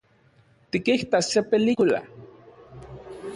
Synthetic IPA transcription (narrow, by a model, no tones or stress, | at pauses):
t̪ikiht̪assepelikula̰